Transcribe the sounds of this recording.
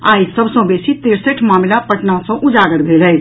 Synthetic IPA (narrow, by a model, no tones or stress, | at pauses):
a̰ːjsəbʱsə̃besit̪eɾsəʈʰmaːmilapəʈnasə̃ʔud͡ʒaɡəɽbʱelə